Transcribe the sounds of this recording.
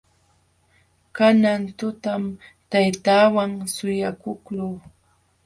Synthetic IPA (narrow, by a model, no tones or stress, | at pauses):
kanant̪ʊt̪amt̪ajt̪aːwaŋsʊjakʊkluː